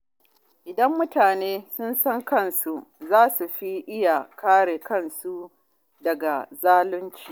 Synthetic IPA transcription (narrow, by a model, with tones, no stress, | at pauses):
ʔɪ˨dɐ˦mːʊ˦taː˨neː˦sʊ˦nsɐ˦ŋkɐ˦˨nsu˨ʔzaː˦su˨ɸi˦ʔɪ˦ja˨kʰaː˦ɽe˨kɐ˦˨nsu˦ | dɐ˨ɡa˨zaː˦lʊ˦nt͡ʃiː˦˨